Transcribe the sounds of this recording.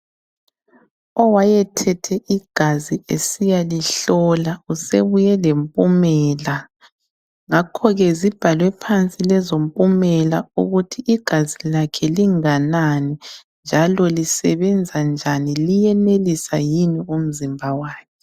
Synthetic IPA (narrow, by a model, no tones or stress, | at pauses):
ɔwajɛtʰɛtʰɛʔiɡ̥ʱaziesijaliɬɔlauseβujɛlempʼumɛːla | ŋakʰɔɣɛzib̥ʱalwɛpʰant͡sʼilɛzompʼumɛlauɣutʰiʔːɡ̥ʱazilakʰɛliŋananɛnd͡ʒʱalɔlisɛβɛnd͡zʱand͡ʒʱanilijɛnelisajinium̩zimbʱawaːkʰɛ